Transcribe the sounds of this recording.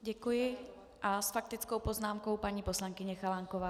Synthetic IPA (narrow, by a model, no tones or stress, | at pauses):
ɟɛkujɪ | ʔasfak̚t̪ɪt͡sko̞wpoznaːmko̞wpaɲiːposlaŋkɪɲɛxalaŋkovaː